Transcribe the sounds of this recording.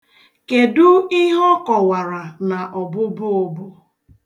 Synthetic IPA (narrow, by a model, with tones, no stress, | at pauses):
ke˨dʊ˦i˦ɦɔ˦kɔ˨wa˨ɾa˨na˨ʔɔ˨bʊ˦bʊ˦o˦˨bʊ˦